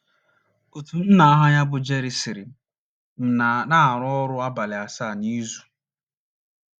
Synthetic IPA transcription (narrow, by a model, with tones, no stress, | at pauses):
o˨tu˨n̩˦na˨a˦ɦa˦ɲa˦bʊ˨d͡ʒe˦ɾi˨sɪ˨ɾɪ˨ | m̩˨na˨na˦˨ɾʊ˦ɔ˦ɾʊ˦a˦ba˨lɪ˨a˨sa˦˨ni˦zu˨